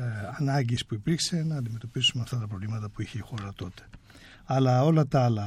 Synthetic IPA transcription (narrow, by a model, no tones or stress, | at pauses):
ɐnɐɟispuipiɾkse̞nɐːnd̪ime̞t̪o̞pisumeɐft̪ɐt̪ɐpɾo̞vlimɐt̪ɐpuiçeixo̞ɾɐt̪o̞t̪e̥ | ɐlɐo̞lɐt̪ɐɐlɐ